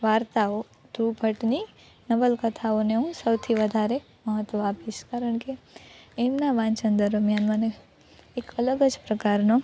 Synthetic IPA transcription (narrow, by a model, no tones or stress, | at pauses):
ʋaːɾt̪ao | d̪ɾubʱəʈni | nəʋəlkət̪ʰaoneũsəwt̪ʰiʋəd̪ʱaɾe | məɦət̪ːʋəabʱiʃkaɾəɳ̃keemnaʋãnt͡ʃənd̪əɾəmjanməne | ekələɡəd͡ʒpɾəkaɾno